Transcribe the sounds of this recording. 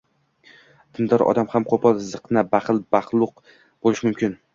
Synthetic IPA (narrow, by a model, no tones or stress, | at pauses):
d̪̥ɪnd̪ɒɾɒ̰d̪amhamqʰopʰɒlˠzɨqnabaχɨlˠbɑχlˠʊq | b̥olɪʃmʊmkʲɪn